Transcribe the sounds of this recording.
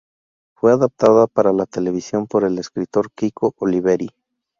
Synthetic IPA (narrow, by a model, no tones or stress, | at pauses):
fwe̞aðap̚t̪aðapaɾalat̪e̞le̞β̞isjo̞mpo̞ɾe̞le̞skɾit̪o̞ɾkikʰo̞ʔoliβe̞ɾi